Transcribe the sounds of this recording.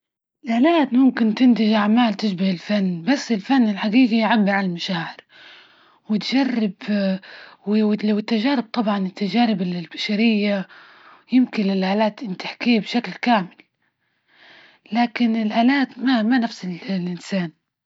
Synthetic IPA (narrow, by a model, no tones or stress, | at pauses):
ɪlʔaːlaːt̪mʊmkɪnt̪ɪnt̪ɪʒʔaʕmaːlt̪ɪʃbahɪlfanːbasːɪlfanːɪlħaɡiːɡijʕabːɪɾʕalalmaʃaːʕɪɾ | wɪt̪ʒarːɪb | wɪwɪlawɪt̪ːaʒaːɾɪb̚t̪ˤɑbʕɑnɪt̪ːaʒaːɾɪbllbaʃaɾɪjːa | jɪmkɪnɪlʔaːlaːt̪ʔɪnt̪ɪħkiːbʃaklkaːmɪl | laːkɪnɪlʔaːlaːt̪mamanafsɪllʔɪnsaːn